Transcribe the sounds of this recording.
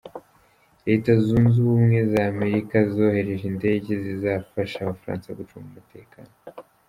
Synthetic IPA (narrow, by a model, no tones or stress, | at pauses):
ɾe̞ːtazuːnzuβumŋe̞zaːme̞ɾikazo̞ːhe̞ɾe̞ʒinde̞ːɟe̞zizafaʃaːβafaɾa̰ːnsajɡut͡ʃuamumute̞ːkaːno